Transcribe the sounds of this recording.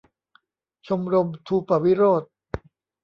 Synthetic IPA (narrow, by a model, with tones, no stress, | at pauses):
t͡ɕʰo˧mɾo˧mt̪ʰuː˧pa˨˩wi˦˥ɾoː˥˩t̪̚